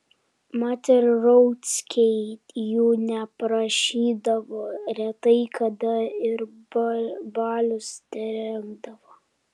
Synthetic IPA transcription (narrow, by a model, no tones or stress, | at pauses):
mɑt̪ʲɛɾɾɔʊt̪ʲsʲkʲɛɪt̪juːnʲɛpɾɐʃʲiːd̪ɐʋoːɾʲɛt̪ɐɪkʰɐd̪ɐɪɾbbɑːlʲʊsnʲɛɾʲɛmd̪ɐʋoː